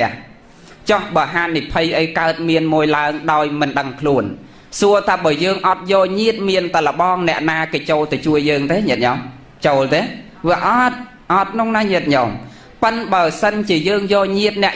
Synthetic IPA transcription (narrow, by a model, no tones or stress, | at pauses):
ɛ̆əh | t͡ɕɑhɓəəɦaːnːipʰɨjʔəjkaət̪̚miənmuəjlaəŋɗaɔjmɨnɗəŋkʰluən | suət̪ʰaːɓəəjəːŋʔɑt̪̚jɔːlɲiət̪̚miənt̪alə̆ɓɑːŋnɛ̆əʔnaːkeːt͡ɕoːlt̪at͡ɕuəjːəːŋt̪eːɲiət̪̚ɲɔm | t͡ɕoːlt̪eː | ʋiəʔɑt̪̚ | ʔɑt̪̚kʰnoŋnaːɲiət̪̚ɲɔm | pɨnɓaəsənt͡ɕiəjəːŋjɔːlɲiət̪̚nɛ̆əʔ